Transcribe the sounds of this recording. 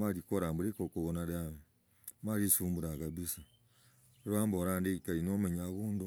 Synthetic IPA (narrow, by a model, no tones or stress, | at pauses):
maɾikoɾambuɾekokuβonaɾeame | maɾisuːmbuɾaɡabisa | ɾaːmboɾandeikainomeɲaβuːndu